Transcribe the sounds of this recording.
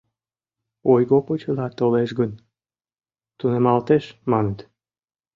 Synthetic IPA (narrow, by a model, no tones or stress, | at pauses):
ojɣopot͡ɕəlɑt̪oleʃɡən | t̪unemɑlt̪eʃmɑnet̪